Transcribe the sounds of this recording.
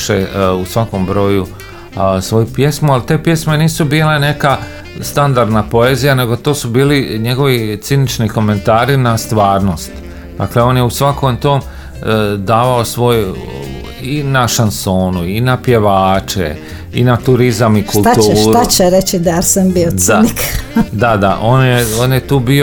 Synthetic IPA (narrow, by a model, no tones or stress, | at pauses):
ʃeusʋako̞mbɾo̞ːju | sʋo̞jupje̞smualt̪e̞ːpje̞sme̞niːsubiːle̞ne̞ka | st̪and̪aɾd̪napo̞e̞ːzijane̞ɡo̞t̪oːsubiːliɲe̞ɡo̞ʋit̪sinit͡ʃniko̞me̞nt̪aːɾinast̪ʋaːɾno̞st̪ | d̪̥a̰kleo̞ːnjeusʋako̞mt̪o̞ːm | d̪aːʋao̞sʋo̞ːj | inaʃansoːnuinapje̞ʋaːt͡ʃḛ | ḭnat̪uɾizamikult̪at̪uːɾat͡ʃeɾet͡ɕid̪ajeɾsambiod̪anikd̪ad̪aʔo̞ːnjeoːnjet̪uːbio